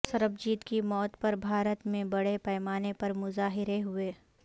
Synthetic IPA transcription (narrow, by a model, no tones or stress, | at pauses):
sɐɾəbd͡ʒiːt̪kimɔːt̪pɐɾbʱaːɾət̪mẽbɐɽepɛːmaːnepɐɾmʊzaːɦɪɾeɦʊeː